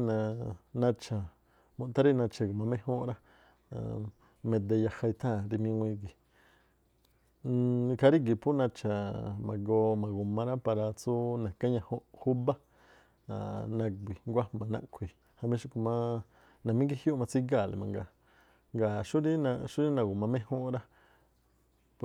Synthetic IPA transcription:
nã˨˧nã˧t͡ʃʰa˨ | mũ˧t̪a˦ɾi˦nã˧t͡ʃa˧ko˨mã˧mẽ˦hõ˦ɾa˦ | ã̰˨ | mẽ˧d̪e˧ja˧ha˧i˧t̪ʰã˦˨ɾi˧mĩ˧wʷĩ˧ɡi˨˧ | kʰa˧ɾi˦ɡ̬i˨pʰu˦nã˧t͡ʃa˨mã˨ɡo˧mã˨ɡo˨mã˧ɾa˦pa˧ɾa˧t͡su˦nã˨kã˦ɲã˧ho˦hu˦ba˦ | a̰˨nã˧ɡʷi˨ŋɡʷa˦mã˨nã̰˧kʰʷi˨ | ha˧mẽ˧˦ʃi˦ku˧mã˦ | nã˨mĩ˦ɡi˦hju˦mã˧t͡si˦ɡa˦˨lḛ˨mã˨ŋɡa˧˨ | ŋɡa˨ʃu˦ɾi˦nã˧ʃu˦ɾi˦nã˧ɡu˨mã˧mẽ˦hõ˦ʔɾa˦ | p

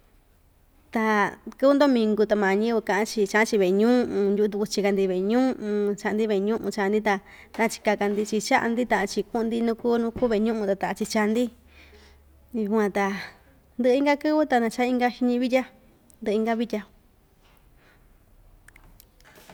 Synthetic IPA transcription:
t̪a˧kɨ˦˧nd̪o˦mĩ˧ŋɡu˧t̪a˧mã˨˧ɲĩ˦βɨ˧kã˧˨ʔã˦t͡ʃi˧t͡ʃa˧ʔã˦t͡ʃi˧βe˨˧ɲũ˦˧ʔũ˧ju˧u˧t̪u˧ku˧t͡ʃi˧ka˧nd̪i˧βe˨˧ɲũ˦˧ʔũ˧t͡ʃa˧ʔa˧nd̪i˦βe˧˨˧ɲũ˦ʔũ˧t͡ʃa˧nd̪i˦t̪a˧ | nã˧t͡ʃi̥˧ka˧ka˧nd̪i˧t͡ʃi˧t͡ʃa˦ʔa̰˧nd̪i˦t̪ã˧ʔa˧t͡ʃi˧ku˦ʔũ˧d̪i˦nũ˦ku˦nũ˦ku˦βe˧˨˧ɲũ˦ʔũ˧t̪a˧t̪a˧ʔa˧t͡ʃi˧t͡ʃa˧nd̪i˦ | u˧kʷã˧t̪a˧ | nd̪ɨ˧ʔi˦ŋɡa˦kɨ˦βɨ˦t̪a˧nã˧t͡ʃa˦i˦ŋɡa˧˦ʃi˧ɲĩ˧βi˦tʲa˦ | nd̪ɨ˧ĩ˦ŋɡa˧βi˦tʲa˧

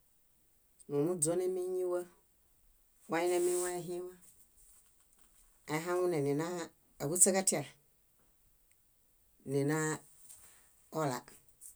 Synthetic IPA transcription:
nũ˨mũ˦d͡zo˦nɛ̃˦mĩ˦ɲĩ˦wə˦ | wʷa˦ɲĩ˦nɛ̃˦mĩ˦wa˦e˦ɦĩ˦wa˦ | a˨˦ɦã˦ŋũ˦nẽ˨nẽ˨nã˦ | e˨ɡu˦t͡se˦ɡa˦ti˦a˨ | nẽ˨nã˦ | ɔ˦la̰˨

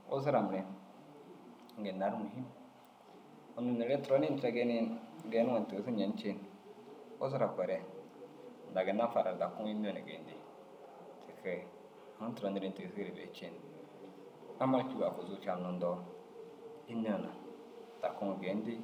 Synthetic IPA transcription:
o̰˦za˦ɾa˨m˨ɾɛ˨n˨ | ŋ̩˦ɡe˨na˨ɾmu˨hi˦m | o˨nu˨ne˨ɾe˦to˦ni˦n˦tɾa˨˦ɡe˦ni˦ɡe˨˦n˦ŋa˨ti˨ɡsi˦˨e˨n˦t͡ʃe˦n | o̰˦za˦ɾa˨kʷɛ˨ɾɛ˦ | n˨da˨ɡe˨na˦fa˨ɾa˨ɾda˨ku˦ŋ˦i˦n˦o˦˨na˨ɡḛ˨n˦di˦ | tʰi˨kɛ˨ | ŋu˦n˦tɾɔ˨˦ni˨˦ɾi˨n˨ti˨si˦ɾi˨be˨˦t͡ʃe˦n | a˦mːa˦t͡ʃu˦ɡa˨ku˨zu˦t͡ʃa˨nu˨ndɔ˦ | i˦n˦ɔ˦na̰˨ | d̥a˨ku˦ŋ˨ɡe˨˦n˦di˦

